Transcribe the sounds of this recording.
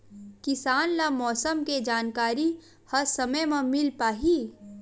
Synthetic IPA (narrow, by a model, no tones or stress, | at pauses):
kɪsaːnlamɔːsəmked͡ʒaːnkaːɾi | hɐsɐməjmãmɪlpaːɦi